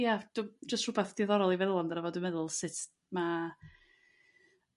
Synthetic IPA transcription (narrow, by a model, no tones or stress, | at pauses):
jad̥ud͡ʒəstrʊbaθd̥ɪðɔɾɔlˠivɛlˠɔndaɾavɔdəmɛðʊlˠsɨtʰ | ma